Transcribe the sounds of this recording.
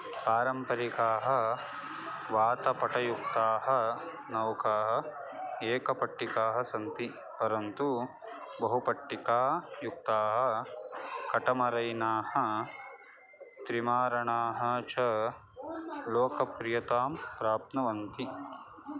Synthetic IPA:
paːɾɐmpɐɾikaːɦɐ̆ | ʋaːt̪ɐpɐʈɐjuk̚t̪aːɦɐ̆ | nɐwkaːɦɐ̆eːkɐpɐʈːikaːɦɐsɐnt̪i | pɐɾɐnt̪u | bɐɦupɐʈːikaːjuk̚t̪aːɦɐ̆ | kɐʈɐmɐɾɐjnaːhɐ̆ | t̪ɾimaːɾɐɳaːɦɐ̆t͡ʃɐ | loːkɐpɾijɐt̪aːmpɾaːp̚nɐʋɐnt̪i

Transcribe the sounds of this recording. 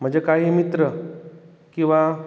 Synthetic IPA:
m̤əɳd͡ʑekaɦiːmit̪ɾə | kĩw̃ʋa

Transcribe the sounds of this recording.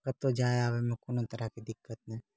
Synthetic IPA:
kət̪od͡ʒaːeaːʋemẽkonõt̪əɾakid̪ɪkːət̪̚nɛ̃ː

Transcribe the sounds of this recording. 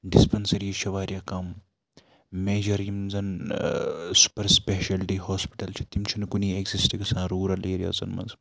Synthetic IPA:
ɖispɐnsɐɾjiʃɐʋaːɾjakɐm | meːd͡ʒɐɾjimzɐn | su̥pɐɾspeːʃɐlʈihoːspi̥ʈɐlt͡ʃʰi̥t̪imt͡ʃʰinkunieɡzisʈiɡɐsãːɾuːɾɐleːɾija̰ːzɐ̰nmɐ̰z

